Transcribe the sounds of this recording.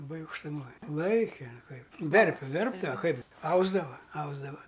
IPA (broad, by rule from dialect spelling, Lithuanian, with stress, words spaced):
lˠɐˈbɐɪ ɐʊkʃtʊˈmoːj ˈlˠɐɪkʲɛ ˈkɐɪp ˈʋʲɛrʲpʲɛ ˈʋʲɛrbdɐʋɐ ˈkɐɪp ˈɐʊzdɐʋɐ ˈɐʊzdɐʋɐ